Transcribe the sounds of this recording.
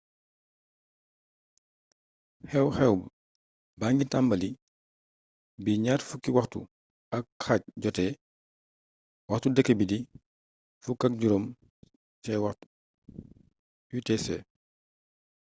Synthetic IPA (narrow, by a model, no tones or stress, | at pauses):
hɛwxɛwb | baŋɡitambɐli | biɲaːtfukiwaxtṵ | ɐkxac̚ɟɔtɛ | wɐxtudɛkːebidi | fukak̚ɟuɾom | t͡ʃɛwaxt | jutɛsɛ